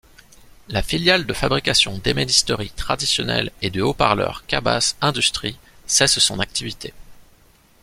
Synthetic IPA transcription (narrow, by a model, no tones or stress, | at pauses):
lafiljald̪əfabʁikʲasjɔ̃d̪emed̪ist̪ɔʁit̪χad̪isjɔnɛ̰led̪əopaʁlœ̰ʁkʲaba̰sɛ̃d̪yst̪χi | sɛssɔ̃nak̚t̪ivit̪e